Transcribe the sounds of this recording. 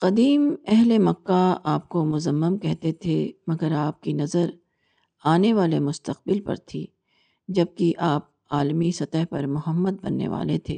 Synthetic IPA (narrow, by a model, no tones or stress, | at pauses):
qɐd̪iːmɛɦlemɐkːaaːp̚komʊzəmːəmkɛɦt̪et̪ʰemɐɡəɾaːp̚kinɐzəɾ | aːneʋaːlemʊst̪əq̚bɪlpɐ̰ɾt̪ʰiː | d͡ʒɐb̚kiʔaːp̚ | aːlmisɐt̪əɦpɐɾmʊɦəmːəd̪̚bɐ̰nːḛʋa̰ːlet̪ʰḛː